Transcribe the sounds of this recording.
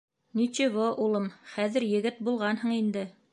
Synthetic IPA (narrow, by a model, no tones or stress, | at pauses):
nit͡ʃiβoʔulˠɤmχæðɘ̆ɾjɘ̆ɡɘt̪̚bulˠʁɑnɦɤ̆ɴind̪ɘ